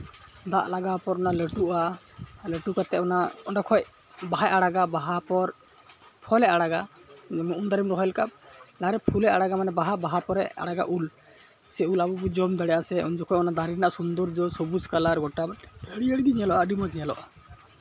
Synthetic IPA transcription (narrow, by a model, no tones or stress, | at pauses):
d̪aʔlaɡapɔɾɔnaləʈuʔa | ləʈukat̪ɛʔɔnaɔɖɔkʰɔj | baɦajʔaɽaɡabaɦapɔɾ | pʰɔlɛaɽaɡad͡ʒɛmɔʔund̪aɾimɾɔɦɔjlkab̚laɾɛpʰulɛaɽaɡamanɛbaɦabaɦapɔɾɛa̰ɽaɡa̰ʔul | sɛulabɔbɔd͡ʒɔmd̪aɽɛʔasɛund͡ʒɔkʰɔjɔnad̪aɾinaʔsund̪ɔɾd͡ʒɔsɔbuskalaɾɡɔʈabaʈəɽiəɽɡ̪iɲɛlɔʔaɖimɔt̪̚ɲɛlɔ̰ʔa